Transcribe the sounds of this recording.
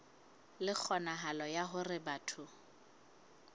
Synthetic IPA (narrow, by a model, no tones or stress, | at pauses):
lɪk͡xʰɔnaɦalɔjaɦʊrɪbatʰʊ